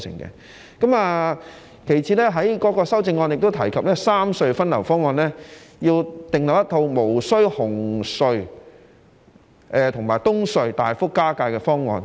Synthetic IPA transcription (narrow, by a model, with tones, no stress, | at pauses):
sʰɪ̰˨˩ŋkɛ̰˧ | kɐ˨˥maː˧ | kʰe˨˩jt͡sʰiː˨˧lɛː˥ɦɐ˨˥jkɔː˨˥kɔː˧sɐ˥wt͡sɪ˧ŋːɔː˧njɪ˨k̚t̪o˥t̪ʰɐ˨˩jkʰɐ˨p̚lɛː˥saː˥msɵ˧ɥfɐ˥nlɐ˨˩wfɔː˥ŋːɔː˧nlɛː˥jiː˧wt̪ɪ˨ŋlɐ˨wjɐ˥t̪ʰo˧wmo˨˩wsɵ˥ɥhʊ˨˩ŋsɵ˧ɥ | ʔɛː˧t̪ʰʊ˨˩ŋmaː˨˩jt̪ʊ˥ŋsɵ˧ɥt̪aː˨jfʊ˥kːaː˥kaː˧jkɛː˧fɔː˥ŋːɔː˧n